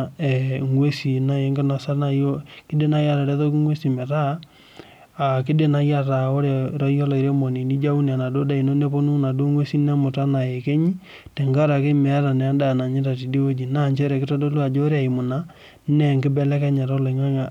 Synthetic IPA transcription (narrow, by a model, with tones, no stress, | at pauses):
ɛ˨ŋwe˦si˨na˦je˨˦ŋɡɪ˦na˨sa˦na˦jo˦kɪ˦de˦na˦ja˦ɾa˨ɾɛ˦to˦kɪ˦ŋwe˦si˨mɛ˨ɾa˦˨ | k̬ɪ˦de˦na˦ja˦ɾa˨o˦ɾe˨ɾɔ˦jɔ˦lɔ˨i˨ɾe˦mo˨ni˨ni˦d͡ʒa˦u˦n˨a˨na˨do˦da˦i˨no˦ne˦po˦nu˦na˨do˦ŋwe˦si˦nɛ˦mʊ˨ta˦na˨je˨ke˦ɲi˦ | tɛ˨ŋɡa˦ɾa˨ke˦mɛ˨a˦ɾa˨nɛ˨a˦da˦˨na˨ɲɪ˦ta˨ti˨di˦o˦d͡ʒi˨na˦˨ɲt͡ʃɛ˦ɾɛ˨kɪ˦tɔ˦do˦lu˦a˨d͡ʒo˦ɾe˦a˨i˨mʊ˨na˦ | nɛ˦ŋɡɪ˦bɛ˦lɛ˦kɛ˦ɲɛ˨ɾɔ˦lɔ˨ŋa˦ŋa˨